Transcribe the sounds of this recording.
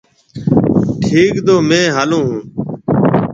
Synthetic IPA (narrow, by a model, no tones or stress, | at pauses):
ʈʰiːkd̪oːmẽːɦaːlõːɦũː